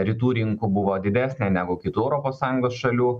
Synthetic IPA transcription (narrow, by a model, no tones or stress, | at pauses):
ɾʲɪt̪uːɾʲɪŋkʊbʊʋoːd̪ʲɪd̪ʲæːsʲnʲɛnʲæːɡʊkʲɪt̪uːɛʊɾɔːpoːssɑːjʊŋɡoːsʃɐlʲuː